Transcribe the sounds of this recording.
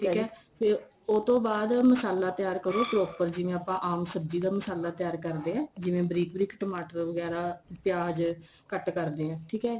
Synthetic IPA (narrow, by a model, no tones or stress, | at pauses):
ʈʰiːkɛːpʰe | oːt̪õːbaːd̪məsaːlaːt̪jaːɾkəɾoːpɾoːpəɾd͡ʒɪʋẽːaːpãːʔaːmsəbd͡ʒiːd̪aːməsaːlaːt̪ɪjaːɾkəɾd̪eːɦɛ̃ːd͡ʒɪʋẽːbɾiːkbɾiːkʈəmaːʈəɾʋəɡɛːɾaːpɪjaːd͡ʒ | kəʈkəɾd̪eːɛ̃ːʈʰiːkɦɛː